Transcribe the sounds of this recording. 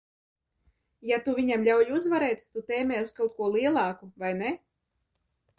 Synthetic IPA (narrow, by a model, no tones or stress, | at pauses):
jat̪uvʲiɲamlʲawjuzvaɾɛːt̪ːut̪ɛːmʲɛːuskalˠt̪̚kuɔlˠiɛlˠɑːkuvajnɛ